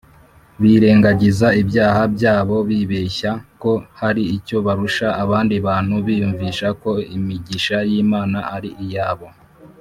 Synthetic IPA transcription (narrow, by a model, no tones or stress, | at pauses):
βiɾe̞ːŋɡaɟizaibjaːhabɟaːβo̞βiβeçako̞haɾiːco̞βaɾuʃaːβaːndiβaːn̥huβiːjuɱviːʃako̞imiɟiʃajiːmaːnaʔaɾiʔijaːβo̞